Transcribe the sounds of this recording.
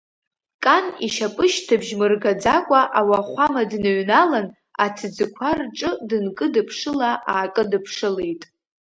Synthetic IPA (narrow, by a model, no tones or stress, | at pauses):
kʼaniʃapʼɨʃtʰɨbʒmɨrɡad͡zakʷʼaʔawaχʷamadnɨɥnalan | atʰd͡zɨkʷʰarʈ͡ʂʼɨdɨnkʼɨdɨpʰʂɨlaʔaːkʼɨdɨpʰʂɨle̞jtʼ